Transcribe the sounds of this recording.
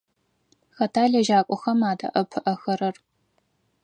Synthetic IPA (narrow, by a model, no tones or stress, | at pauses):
xɐtʰaːɮɐʒaːkʷʼɔxɐmaːdɐ̰ʔɐpʰɨʔɐxɐɾɐr